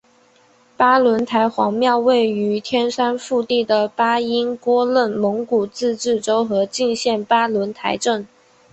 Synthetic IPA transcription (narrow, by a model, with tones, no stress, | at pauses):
pa˥lwə˧˥nt̪ʰa˧˥ɪxwɑ̰˧˥ŋmjɑ˥˧ʊwe˥˩ɪy˧˥t̪ʰjɛ˥nʂa˥nfu˥˧t̪i˥˩d̪ə˩pa˥i˥nkwɔ˥lə˥˩nmɤ˧˥ŋku˨˩t͡sɹ̩˥˧ʈ͡ʂɻ̩˥˩ʈ͡ʂo˥ʊxɤ˧˥t͡ɕi˥˧nɕjɛ˥˩npa˥lwə˧˥nt̪ʰa̰˧˥ɪʈ͡ʂɤ˥˩ŋ